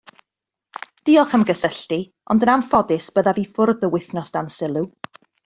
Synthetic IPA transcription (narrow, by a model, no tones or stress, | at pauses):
d̥iɔχəmɡəsəɬti | ɔ̰ndənamfɔdɪsb̥əðaviːfʊrðəwɪθnɔsd̥ansɪlˠu